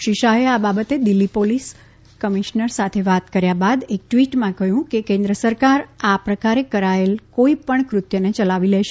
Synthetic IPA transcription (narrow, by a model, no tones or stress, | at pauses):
ʃiʃaɦeababət̪ed̪ilːipolis | kəmiʃnəɾsat̪ʰeʋat̪kəɾjabad̪ek̚ʈʋiʈmãkəɦjũkekẽnd̪ɾəsəɾkaɾapɾəkaɾekəɾaelkoipəɳkɾʊt̪jənet͡ʃəlaʋilɛʃe